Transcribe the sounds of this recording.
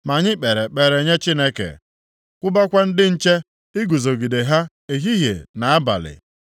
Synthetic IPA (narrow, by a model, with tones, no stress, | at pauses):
ma˨ɲɪ˦k͡pe˨ɾe˨k͡pe˨ɾe˨ɲe˦t͡ʃi˦ne˦kḛ˨ | kʷʊ˦ba˦kʷa˦n̩˦dɪ˦n̩˦t͡ʃe˦ | ɪ˦ɡu˨zo˨ɡi˨de˨ɦa˦ | e˨ɦi˦ɦjḛ˨na˨a˦ba̰˨lɪ̰˨